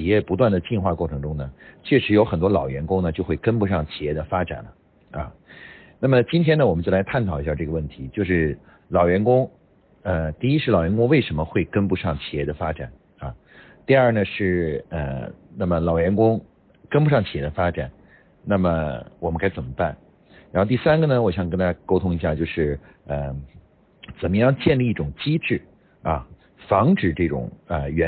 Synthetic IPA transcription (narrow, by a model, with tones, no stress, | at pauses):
t͡ɕi˨˩jɛ˥˩pu˧˥t̪wa˥˩nd̪ə˩t͡ɕi˥˧nxwa˥˧kwɔ˥˩ʈ͡ʂʰɤ˧˥ŋʈ͡ʂʊ˥ŋnə˨t͡ɕʰɥɛ˥˩ʂɻ̩˧˥jo˧˥ʊxə˨˩nt̪wɔ˥lɑ˨˩ʊɥɛ˧˥nkʊ˥ŋnə˨t͡ɕjo˥˧ʊxwe˥˩ɪkə˥npu˧˥ʂɑ˥˩ŋt͡ɕʰi˨˩jɛ˥˩d̪ə˩fa˥ʈ͡ʂa̰˨˩nlə˦ | ɐ̰˧ | na˥˩mə˩t͡ɕi˥nt̪ʰjɛ˥nə˨wɔ˨˩m˦t͡ɕjo˥˩la˧˥ɪt̪ʰa˥˩nt̪ʰɑ˨˩ʊi˧˥ɕa˥˧ʈ͡ʂɤ˥˩ɡə˧wə˥˩nt̪ʰi˧˥t͡ɕjo˥˧ʊʂɻ̩˥˩ | lɑ˨˩ʊɥɛ˧˥nkʊ˥ŋ | ə˧t̪i˥˩i˥ʂɻ̩˥˩lɑ˨˩ʊɥɛ˧˥nkʊ˥ŋwe˥˩ɪʂə˧˥nmə˧xwe˥˩ɪkə˥npu˧˥ʂɑ˥˩ŋt͡ɕʰi̥˨˩jɛ˥˩d̪ə˩fa˥ʈ͡ʂa˨˩˦n | ɐ˧˩ | t̪i˥˧ɐ˞˥˩nə˩ʂɻ̩˥˩ə̰˧na˥˩mə˩lɑ˨˩ʊɥɛ˧˥nkʊ˥ŋ | kə˥np̬u˥ʂɑ˥˩ŋt͡ɕʰi˨˩jɛ˧˥ə˧fa˥ʈ͡ʂa˨˩˦n | na˥˩mə˩wɔ˨˩mə˦ŋkʰa˥ɪt͡sə˨˩mə˦pa˥˩n | ɻxt̪i˥˩sa˥nɡə˨nə˩wɔ˨˩ɕjɑ˨˩ŋkə˥nt̪ʰa˥t͡ɕa˥ko˥ʊt̪ʰʊ˥ŋi˧˥ɕja˥˧t͡ɕjo˥˧ʊʂɻ̩˥˩ | ə˧ | t͡sə˨˩nmə˦jɑ˥˧ŋt͡ɕjɛ˥˧nli˥˧i˥˩ʈ͡ʂʊ˨˩ŋt͡ɕi˥ʈ͡ʂɻ̩˥˩ | ɐ˧˩ | fɑ˧˥ŋʈ͡ʂɻ̩˨˩ʈ͡ʂɤ˥˩ʈ͡ʂʊ̰˨˩ŋə˧ɥɛ˧˥